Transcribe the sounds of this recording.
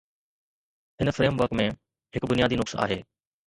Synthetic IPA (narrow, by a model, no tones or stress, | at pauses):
ɦɪnə̆fɾeːmʋəɾkmẽ | ɦɪkbʊnijaːd̪inʊksa̰ːɦeː